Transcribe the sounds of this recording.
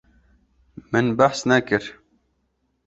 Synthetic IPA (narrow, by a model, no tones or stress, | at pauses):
mɨnbaħsnakɨɾ